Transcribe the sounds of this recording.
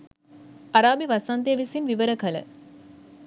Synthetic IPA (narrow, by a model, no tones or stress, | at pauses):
ɐɾaːbiʋɐsant̪eːʋisinʋiʋəɾəkɐlə̰